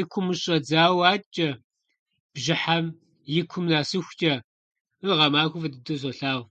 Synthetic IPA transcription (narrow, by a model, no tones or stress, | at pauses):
ɪkʷʰʊmɨɕʼɐd͡zaːwaːt͡ʃʼɐ | b̥ʒɪħam | jɪkʷʰʊmnaːsɨxʷt͡ʃʼɐ | ɨʁɐmaːkʷʊfɐdɨdɐz̬ʷɐɬaːw